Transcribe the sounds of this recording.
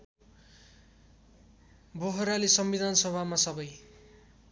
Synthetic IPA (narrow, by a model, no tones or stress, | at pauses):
boɦoɾalisʌmbid̪ʱansʌbʱamasʌbʌj